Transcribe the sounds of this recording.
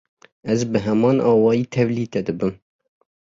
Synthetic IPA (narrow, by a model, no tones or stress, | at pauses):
ɛzbɨɦɛmɑːnʔɑːwɑːjiːt̪ʰɛvliːt̪ɛd̪ɨbɨm